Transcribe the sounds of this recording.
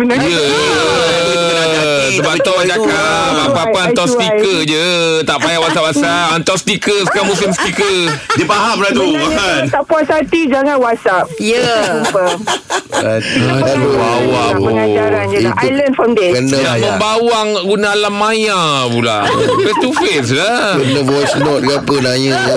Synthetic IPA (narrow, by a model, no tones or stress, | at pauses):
bənajə | səbat̪ɔd͡ʒakaapapaant̪ɔsikkəd͡ʒət̪aʔpajaʔwasapwasaant̪ɔst̪ikəsəkamusimst̪ikədəpaɦamlat̪ukasant̪apuasat̪id͡ʒaŋãnwasap̚jəumpa | aaubawaəŋad͡ʒaɾand͡ʒajlənfɔmdɛkənəamə̃mbawaŋɡunalamãja | pula̰ | fɛst̪ufesla | kənəvɔjsnɔt̪̚ɡapənajəja